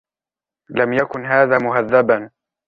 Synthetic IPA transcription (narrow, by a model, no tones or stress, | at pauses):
lamjakʊnɦaːðaːmʊɦaðːaban